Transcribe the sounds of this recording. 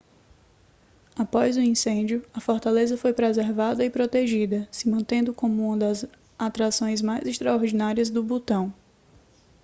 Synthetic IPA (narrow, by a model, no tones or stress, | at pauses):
apɔzʊĩsẽd͡ʒjʊɐfɔɾt̪alezɐfojpɾezeɾvad̪ɐɪpɾot̪eʒid̪ɐsɪmɐ̃nt̪ẽnd̪ʊkõmʊũmɐd̪ɐz | at̪ɾasõj̃zmajzɪʃt̪ɾaoɾd͡ʒinaɾiɐzd̪ʊbot̪ɐ̃w̃